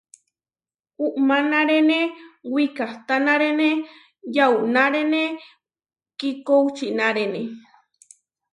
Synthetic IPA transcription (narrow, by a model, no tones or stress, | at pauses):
uʔmanaɾenewikaht̪anaɾene | jaunaɾene | kikowt͡ʃinaɾene